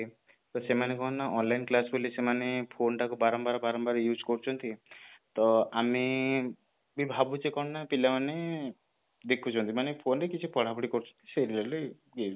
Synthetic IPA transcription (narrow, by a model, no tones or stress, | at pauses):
i | t̪ɔsemanekɔɦnnaʔɔnlainklasbolisemanepʰonʈakubaɾɔmbaɾɔbaɾɔmbaɾjud͡ʒkɔɾut͡ʃʰɔnt̪it̪ɔami | bibʱabud͡ʒekɔnnapilamane | d̪ekʰut͡ʃʰɔnt̪imanepʰonɾekit͡ʃʰipɔɽ̤apuɽikɔɾut͡ʃʰɔ̥nt̪i̥seɾilale | ɡe